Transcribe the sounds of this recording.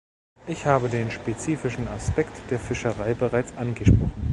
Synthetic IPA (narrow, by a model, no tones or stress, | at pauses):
ʔɪçhaːbədeːnʃpet͡siːfɪʃn̩aspɛktd̥eːɐfɪʃəʁaɪbəʁaɪt͡sʔanɡəʃpʁ̥ɔχnn̩